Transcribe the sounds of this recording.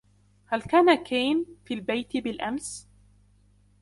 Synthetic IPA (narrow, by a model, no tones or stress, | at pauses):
halkaːnakeːnfiːlbajt̪ɪbɪlʔams